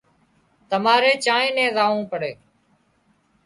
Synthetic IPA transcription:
t̪əmaːɾeːt͡ʃaːẽːnɛ̃ːzaːʋũːpəɽeː

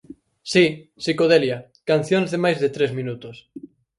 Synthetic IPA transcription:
sisikoðelja | kan̟θjonzðemajzðɪt̪ɾezmĩnut̪ʊs

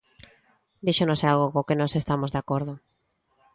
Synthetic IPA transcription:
d̪iʃonosalɣokokenɔ̃sest̪amozðeakoɾð̞ʊ

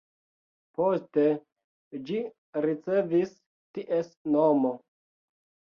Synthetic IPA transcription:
poste̞ | d͡ʒi | ɾit͡se̞vis | tiʔesnomo

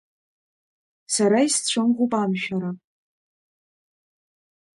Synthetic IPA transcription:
saɾaist͡ɕʷʰɨmʁʷupʼamʃᶣaɾa

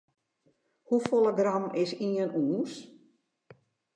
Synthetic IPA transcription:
hufolˠəɡrɑmɪsiənuːs

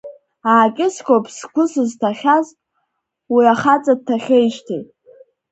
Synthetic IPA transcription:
aːkʲʼɪskʷʰʼopʰʼskʷʊsɨztʰaχʲaz | wiaχat͡sʼad̚tʰaχʲejʃtʰijtʼ

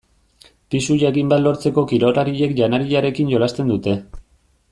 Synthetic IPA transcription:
pisuʎaɣimbat̪lo̞ɾt͡se̞ko̞kiɾo̞ɾaɾiʎe̞kʎanaɾiʎaɾe̞kinʝo̞last̪e̞nd̪ut̪e̞

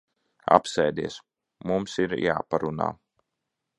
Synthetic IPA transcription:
a̰psɛjd̪ḭɛs | mumsiɾjaːpaɾuna̰ː

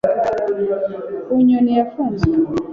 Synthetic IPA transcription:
uɲɔnijafunzɔ

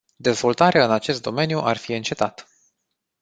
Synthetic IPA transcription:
d̪e̞zvo̞lt̪aɾeaɨnat͡ʃe̞st̪d̪o̞me̞njuʔarfiɨnt͡ʃe̞t̪at̪

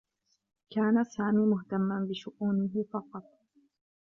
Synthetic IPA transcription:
kaːnasaːmiːmʊht̪amːanbɪʃʊʔuːnɪɦɪfɑqɑt̪̚ˤ

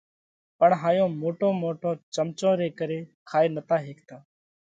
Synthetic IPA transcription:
pəɳɦaːjõːmoːʈõːmoːʈõːt͡ʃəmt͡ʃõːɾeːkəɾeːkʰaːeːnət̪aːɦeːk̚t̪aː

